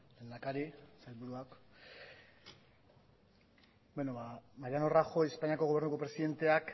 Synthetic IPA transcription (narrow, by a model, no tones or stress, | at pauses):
le̞ːnd̪akaɾisajlβuɾuak | benoβamaɾjanoraxo̞espaɲiako̞ɣ̞oe̞ɾnuko̞pɾe̞siðe̞nt̪e̞ak